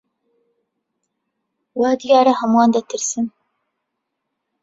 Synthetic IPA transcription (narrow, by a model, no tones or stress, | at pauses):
wɑːd̪ɨjɑːɾɐhɐmuɑːnd̪ɐt̪ʰɨɾsɨn